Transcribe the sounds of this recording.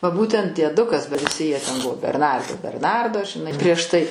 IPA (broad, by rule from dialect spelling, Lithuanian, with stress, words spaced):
ʋɐ ˈbuːtʲɛnt dʲiɛˈdʊkɐs bɐ ʋʲɪˈsʲɪ jiɛ tʲɛn ˈbʊʋoː bʲɛrˈnɐrdɐɪ bʲɛrˈnɐrdoː ʒʲɪˈnɐɪ pʲrʲiɛʃ tɐɪ